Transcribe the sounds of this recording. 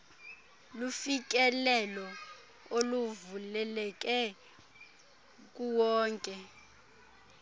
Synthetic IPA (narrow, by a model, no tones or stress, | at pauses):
lufik̬ʼɛlɛlɔ | oluvulɛlɛk̬ʼɛ | kʼuwɔːŋkʼɛ